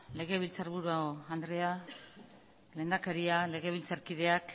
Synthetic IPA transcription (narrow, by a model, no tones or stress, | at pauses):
le̞ɣ̞e̞β̞ilt͡saɾβuɾuaoand̪ɾe̞a | le̞ːnd̪akeɾiale̞ɣe̞βilt͡saɾkiðe̞ak